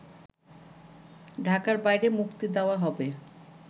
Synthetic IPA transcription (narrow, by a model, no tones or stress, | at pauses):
ɖʱakaɾbajɾemukt̪id̪eoaɦɔbe